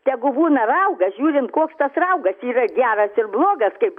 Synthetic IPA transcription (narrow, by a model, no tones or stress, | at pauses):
t̪ʲɛɡʊbuːnɐrɐʊɡɐsʒʲuːɾʲɪnt̪koːkst̪ɐsrɐʊɡɐssiːrɐɡʲæːrɐsɪrblˠoːɡɐskɐɪp